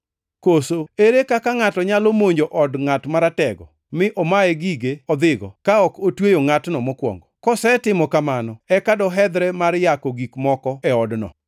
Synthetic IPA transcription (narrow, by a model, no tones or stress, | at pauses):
kosoeɾekakaŋatɔɲalomoɲd͡ʒoʔɔdŋatmaɾatɛɡɔ̰ | mɪʔɔmaɛɡiɡeɔd̪ɪɡɔ̰kaɔkotwejoŋatnɔmɔkwɔ̰ŋɡɔkɔsɛtɪmɔkamanɔɛkadɔɦɛd̪ɾɛmaɾjakoɡikmɔkɔɛɔdnɔ̰